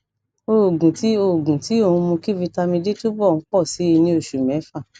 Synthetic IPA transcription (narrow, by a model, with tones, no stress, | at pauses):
o˧˨ɡũ˨ti˨˦o˦˨ɡũ˨ti˨˦o˦˧˨ũ˧mũ˧ki˦vi˧ta˧mĩ˧di˦tu˦bɔ˦˨ñ̩˨˦k͡pɔ˦˨si˨˦i˧nĩ˧˦o˨ʃu˨mɛ̃˨˦fa˦˨